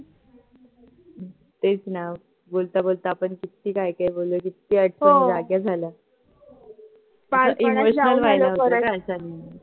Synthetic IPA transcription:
t̪et͡sna | bolt̪abolt̪aːpəɳkit̪iːkaikaibolːəkit̪ːiːəʈsid͡zaɡjad͡zʱala | paimoɕnəlʋajnaokaəsani

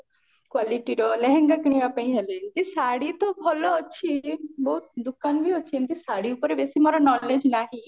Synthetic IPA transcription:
kwaːliʈiɾɔlɛɦɛ̃ŋɡakɽ̃iapãĩɦeled͡ʒisaɽit̪ɔbʱɔlɔːt͡ʃʰibɔut̪̚d̪ʊkanbʱiot͡ʃʰint̪isaɽiupəɾebesimaɾanɔːled͡ʒnaɦi

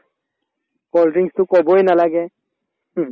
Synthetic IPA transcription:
kɔlʈiŋstʊkɔbɔjnalaɡɛ

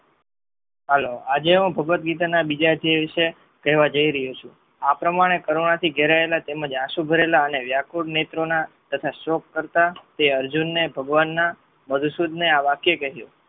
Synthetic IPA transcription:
ɦəload͡ʒeɦũbʱəɡʋət̪ɡit̪̬anabid͡ʒad̪ieʋiʃe | kɛɦʋad͡ʒəiɾəɦjut͡ʃʰũ | apɾəmaɽ̃ekəɾoɳat̪ʰiɡʱeɾaelat̪eməd͡ʒaʃubʱəɾelaəneʋjakuɽnet̪ɾona | t̪ət̪ʰaʃɔkːəɾt̪at̪eəɾd͡ʒunːebʱəɡʋanːa | məd̪ʱusud̪ʱneaʋakjekəɦju

